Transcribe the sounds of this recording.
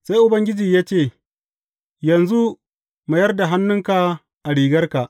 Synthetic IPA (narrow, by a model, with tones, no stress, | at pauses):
sa˦jʔʊ˨bɐ˦ŋɡʲɪ˦d͡ʒiː˨jaː˦t͡ʃeː˦˨ | jɐ˨nzu˦ | ma˨jɐ˦rda˨ɦa˦nːʊ˦ŋka˨ | ʔa˨ɽiː˨ɡɐ˦rka˨ʔ